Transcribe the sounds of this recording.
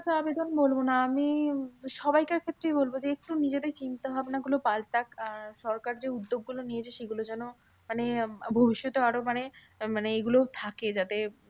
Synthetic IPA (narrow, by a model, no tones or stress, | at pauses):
at͡ɕʰaabed̪onbolbonaamiʃɔbajkaɾkʰet̪ːɾejbolbod͡ʑeek̚ʈunid͡ʑed̪eɾt͡ɕint̪obʱabenaɡulopalʈakʃɔɾkaɾd͡ʑeud̪ːob̚ɡulonied͡ʑʰeʃeɡulod͡ʑɛno | manebʱobiʃːɔt̪oaɾomane | maneeɡulot̪ʰaked͡ʑat̪e